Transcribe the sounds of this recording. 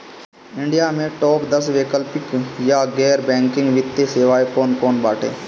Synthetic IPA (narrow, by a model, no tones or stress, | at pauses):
ɪ̃ɳɖɪjaːmẽːʈoːpd̪əsʋeːkəlpɪkjaːɡɛːɾbɛ̃ːŋkɪ̃ŋɡʋɪt̪ːeseːʋaːekoːnkoːnbaːʈʰḛː